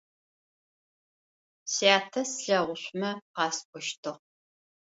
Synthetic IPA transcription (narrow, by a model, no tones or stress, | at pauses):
sjaːtʰɐsɬɐʁʷʊɕʷmɐqɑːskʷʰʼɔʃtʰɨʁ